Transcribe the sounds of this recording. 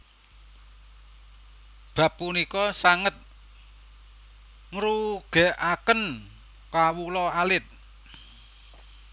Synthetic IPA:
b̥ä̤p̚ːunikɔsaŋət̪̚ | ŋɾuɡ̥ɛʔakən | kawulɔalɪt̪̚

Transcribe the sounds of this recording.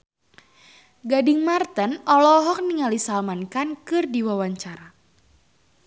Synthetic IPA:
ɡadɪŋmart̪ənɔlɔɦɔk̚niŋalisalmankankɨrdiwawaɲt͡ʃaɾa

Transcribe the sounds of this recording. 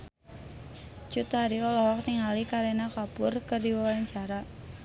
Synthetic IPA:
t͡ʃut̪haɾiɔlɔɦɔk̚niŋalikaɾenakapʊrkərdiwawalaɲt͡ʃaɾa

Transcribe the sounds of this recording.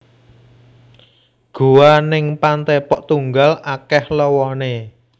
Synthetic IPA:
ɡ̥ṳwanɪŋpant̪epɔʔt̪uŋɡalakɛhlɔwɔne

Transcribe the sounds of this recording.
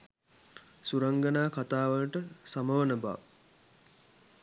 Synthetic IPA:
suɾaŋɡənaːkat̪aːʋələʈəsaməʋənəba̰ʋ

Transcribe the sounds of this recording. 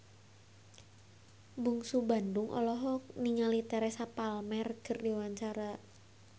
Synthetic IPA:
buŋsuba̤ndʊŋʔɔ̰lɔɦɔk̚niŋalit̪ɛɾɛsapalmɛrɡ̥ə̤rdiwaɲt͡ʃaɾa

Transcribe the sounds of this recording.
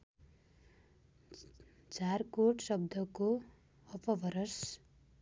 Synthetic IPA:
d͡zarkoʈsʌb̚d̪ʱʌko | ʌpʌbʱʌɾʌs

